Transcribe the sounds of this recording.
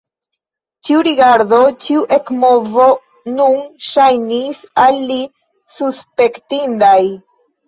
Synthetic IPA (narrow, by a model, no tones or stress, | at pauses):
t͡ʃiuɾiɡaɾdo̞t͡ʃiuʔe̞kmo̞vo̞ | nunʃajnisalːi | suspe̞ktindaj